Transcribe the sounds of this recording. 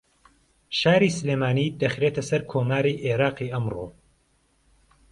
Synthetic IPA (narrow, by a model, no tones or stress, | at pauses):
ʃaːɾisɨleːmaːniːd̪ɐxɾeːt̪ʰɐsɐɾkʰoːmaːɾiːʔeɾɑːqiːʔɐmro̰ː